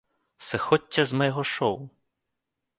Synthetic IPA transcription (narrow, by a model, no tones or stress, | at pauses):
sɛxɔtʲːɐzmɛjɦɔʃɔwʊ